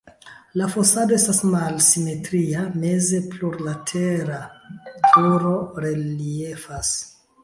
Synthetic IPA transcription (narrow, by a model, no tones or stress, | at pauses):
lafo̞sado̞e̞stasmalsime̞tɾiame̞zepluɾlatʰe̞ɾatʰuɾo̞ɾe̞lie̞fas